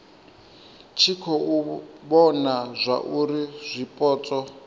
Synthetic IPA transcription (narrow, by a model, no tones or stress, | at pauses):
t͡ʃʰikʰɔuβɔnazʷa̰ʔuɾiz̥ʷipʼɔːt͡sʼɔ